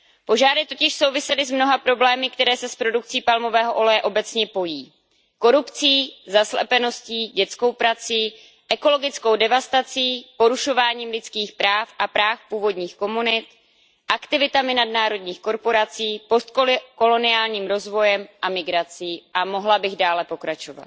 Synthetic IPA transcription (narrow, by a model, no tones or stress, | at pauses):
po̞ʒaːɾɪt̪ocɪʃso̞wvɪsɛlɪzmno̞ɦapɾo̞blɛːmɪk̚t̪ɛɾɛːsɛspɾo̞duk̚t͡siːpalmo̞vɛːɦoʔo̞lɛjɛʔo̞bɛt͡sɲɛpo̞jiː | ko̞ɾupt͡siːzaslɛ̰pɛno̞sciːɟɛt͡sko̞wpɾat͡siː | ʔɛko̞lo̞ɡɪt͡sko̞wdɛvast̪at͡siːpo̞ɾuʃo̞vaːɲiːmlɪt͡skiːxpɾaːfʔapɾaːfpuːvo̞dɲiːxko̞munɪt̪ | ʔakt̪ɪvɪt̪amɪnadnaːɾo̞dɲiːxko̞ɾpo̞ɾat͡siːpost̪̚koko̞lo̞nɪaːlɲiːmɾo̞zvo̞jɛmʔamɪɡɾat͡siːʔamo̞ɦlabɪɣdaːlɛpo̞kɾat͡ʃo̞va̰t̪̚